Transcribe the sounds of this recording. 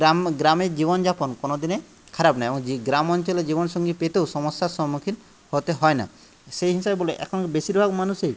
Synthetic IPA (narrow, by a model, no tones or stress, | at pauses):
amɡɾamed͡ʒiβɔnd͡ʒapɔnkɔnɔd̪ine | kʰaɾapnajebɔŋiɡɾamɔnt͡ʃɔlɔd͡ʒibɔnsɔŋɡipet̪ewsɔmɔsːasɔɦmukʰin | hot̪eɦɔjna̰ | sejɦisabebɔleʔɛ̰kʰɔnɔkebesiɾbʱabmanusej